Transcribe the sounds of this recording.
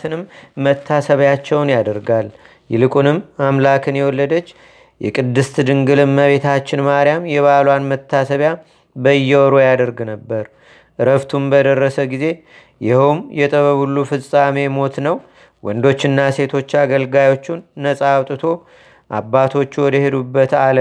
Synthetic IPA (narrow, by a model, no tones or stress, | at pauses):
t̪ɨnɨmːət̪ʰːasəβjat͡ʃːɛwnjad̪əɾɡal | jɪlɨkʼunɨmːamlakʰɨnjɛwɔlːəd̪ət͡ʃː | jɛkʼɨd̪ːɨst̪d̪ɨŋɡɨlɨmːəβe̞t̪ʰat͡ʃːɪnmaɾijamjɛβalwanmət̪ʰːasəβja | bəjːɛwɔɾojad̪əɾɡnəbːəɾ | ʔɨɾəβt̪ʰumbəd̪ərːəsəɡize̞ | jɪhumjɛt̪ʼəβəβulːufɨsʼame̞mo̞t̪nəw | wɔnd̪o̞t͡ʃːɨnːase̞t̪ʰo̞t͡ʃːaɡəlɡajo̞t͡ʃːunːəsʼawt̪ʼɨt̪ʰo̞ | ʔabːat̪ʰo̞t͡ʃːwɔd̪əhe̞d̪ubːət̪alə